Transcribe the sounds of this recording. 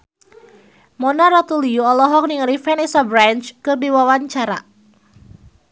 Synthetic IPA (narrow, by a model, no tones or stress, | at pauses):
mɔnaɾɔt̪uliuɔlɔɦɔk̚niŋalifɛnisabɾant͡ʃkədiwawaɲt͡ʃaɾa